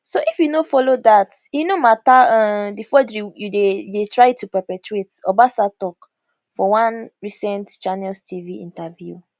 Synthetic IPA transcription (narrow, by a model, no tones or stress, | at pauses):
soʔifjunofɔlodat | inomataãdifɔdɹijudedetɹaɪtupɛpɛtɹetɔbasatɔk | fɔwãnɹisɛ̃ntt͡ʃanɛlstʰiviḭ̃ntavjṵ